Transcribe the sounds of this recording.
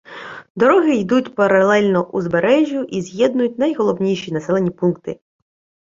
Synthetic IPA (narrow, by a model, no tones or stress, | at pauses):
d̪ɔɾɔɦɪjd̪utʲpɐɾɐlˠɛlʲnɔʔuzbeɾɛʒʲjʊʔizʲjɛd̪̚nʊjʊt̚ʲnɐjɦɔlˠɔwnʲijʃʲinɐsɛlˠenʲipunkt̪ɪ